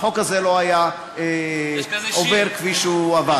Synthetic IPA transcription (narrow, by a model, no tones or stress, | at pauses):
χo̞kazelo̞aja | e | oveʁkviʃuava